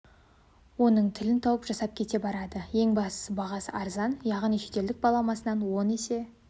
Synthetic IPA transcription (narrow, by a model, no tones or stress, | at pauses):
wo̞nəɴt̪ʰɪlɪnt̪ʰɑwəpʒɑsɑp̚kʲʰe̞t̪e̞bɑɾɑd̪əje̞ŋbɑst̪ə̥səbɑʁɑsəɑɾzɑnjɑʁnijʃe̞t̪e̞ld̪ɪk̚bɑlˠɑmɑsənɑnwo̞ne̞se̞